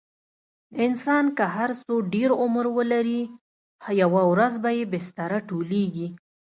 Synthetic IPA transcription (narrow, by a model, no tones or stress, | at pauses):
ɪnsɑnkəɦaɾsoɖeɾʊmɾwəlaɾi | hajawawɾazbajebɪst̪aɾaʈoleɡi